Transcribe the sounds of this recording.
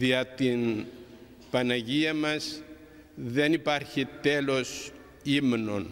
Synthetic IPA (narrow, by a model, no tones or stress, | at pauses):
ðiɐt̪in | pɐnɐʝiɐmɐs | ðe̞nipɐɾçit̪e̞lo̞s | imno̞n